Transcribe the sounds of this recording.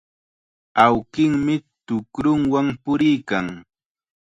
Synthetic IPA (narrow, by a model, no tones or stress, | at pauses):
awkɪŋmɪt̪ʊkɾʊŋwaŋpʊɾɪjkaŋ